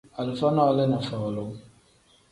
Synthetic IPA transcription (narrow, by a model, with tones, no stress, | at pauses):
a˨lu˨fa˦na˦˨lɛ˦na˨fa˨wa˨lo˦